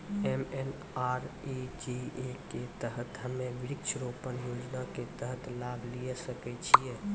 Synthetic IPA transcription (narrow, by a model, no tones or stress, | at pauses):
emen | aːɾid͡ʒieket̪əɦət̪ɦəmẽʋɪɾɪkt͡ʃʰəɾopənjoːd͡ʒnaket̪əɦət̪laːblijesəkɛt͡ʃʰijɛː